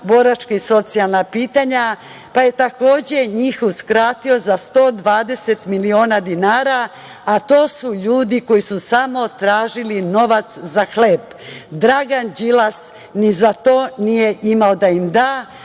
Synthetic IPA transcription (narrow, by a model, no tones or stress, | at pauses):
bo̞ɾat͡ʃkaiso̞t̪sialˠnapiːt̪aɲa | paje̞t̪ako̞ːd͡ʑe̞ɲiːxuskɾaːt̪io̞zast̪o̞ːd̪ʋaːd̪e̞se̞t̪milio̞ːnad̪inaːɾaː | t̪o̞ːsuʎuːd̪iko̞jisusamo̞t̪ɾaːʒilino̞ʋat̪szaxleːb | d̪ɾaɡand͡ʑilas | nizat̪o̞ːnije̞ʔimaod̪aimd̪aː